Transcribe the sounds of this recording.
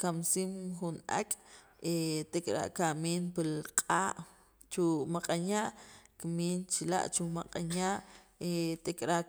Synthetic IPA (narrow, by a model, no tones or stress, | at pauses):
kamsiːmxunʔa̰kʼ | et̪ekʼɾa̰ʔkamiːnpilqʼaːʔ | t͡ʃumaqʼanaʔkmiːnt͡ʃila̰ʔt͡ʃumaqʼanaʔet̪ekʼɾaʔ